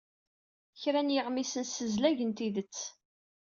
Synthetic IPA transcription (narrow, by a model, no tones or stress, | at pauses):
çɾænjəʁmisənsəzlæʝənt̪iðət͡sː